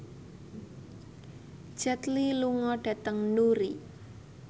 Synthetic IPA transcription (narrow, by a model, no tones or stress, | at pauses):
d̥ʒ̥ət̪liluŋɔɖ̥ä̤t̪əŋnuɾi